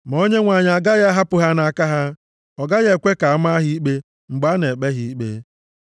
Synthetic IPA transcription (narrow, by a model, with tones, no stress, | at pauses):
m˨o˦ɲe˦ŋʷa˨ɲa˨a˨ɡa˦ɣa˦a˦ɦa˦pʊ˦ɦa˦na˨ka˦ɦa˦ | ɔ˨ɡa˦ɣe˦˨kʷe˦ka˨a˦ma˦ɦi˦i˦k͡pe˦ | ŋ͡m̩˨ɡ͡ba˦ne˨k͡pe˦ɦi˦i˦k͡pḛ˦